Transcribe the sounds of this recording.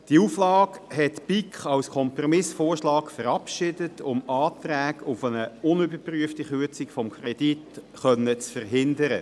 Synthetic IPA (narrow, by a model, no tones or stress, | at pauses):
d̥iuflɑːkhɛtpikχɑwskʰɔmprɔmɪsfoːrʃlɑːkfəɾɑpʃɪdətʰʊmɑːt̪ræːɡʊfənəʊnʏbəpryəftiχyət͡sikfɔmkʰrɛd̥it | χœnːət͡sfərɦɪndəɾə